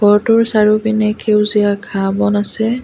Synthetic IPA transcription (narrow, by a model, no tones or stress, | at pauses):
ɡ̥ʰɔɹtʊɹsaɹubinɛkʰewziakʰabɔnasɛ